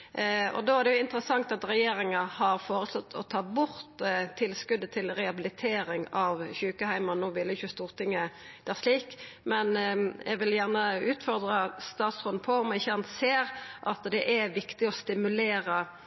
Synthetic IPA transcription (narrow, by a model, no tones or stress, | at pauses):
ɔ̰d̪oːæʁd̪ɛjʊɪnt̪əɾəsɑŋt̪ɑt̪ɾɛjeːɾɪŋɑhɑɾfoːʁəslɔt̪ʰːɔt̪ʰɑːbʊʁt̪t̪ʰːɪlskʉd̪ːət̪ʰɪlɾɛɑbɪlɪt̪ʰeːɾɪŋɑʋçʉːkəhæɪmɑnoːʋɪlːəɪçʊst̪uːʁt̪ɪŋːə | d̪̥æːʁʂliːkmɛnʔɛ̰ɡʋɪljæʁnəʉːt̪fɔʁd̪ʁəst̪ɑːt̪sʁɔːnpʰɔɔmɛɪçːəɑnt̪seːɾʔɑt̪d̪ɛʔæʋɪkt̪ɪɔst̪ɪmʉleːɾə